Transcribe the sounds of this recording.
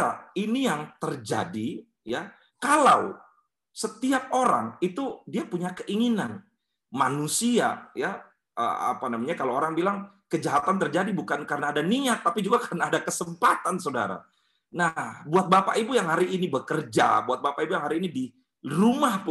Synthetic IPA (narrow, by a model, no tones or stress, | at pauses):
ainijaŋt̪ərd͡ʒa̰di | ja | kalaw | sət̪iap̚oɾa̰ŋit̪udiapuɲakəʔiŋinan | manusia̰ja | ʔə̰a̰panamaɲakalaoɾaŋbilaŋ | kəd͡ʒaɦat̪ant̪ərd͡ʒadibukankaɾənaːdaniat̪̚ːapid͡ʒuɡakarənaːdakəsəmpat̪ansoda̰ɾa̰ | nahbuat̪̚bapaʔibujaŋɦaɾiːnibəkərd͡ʒa̰buat̪̚bapaibujaŋɦaɾiːnidi | rumahpʊ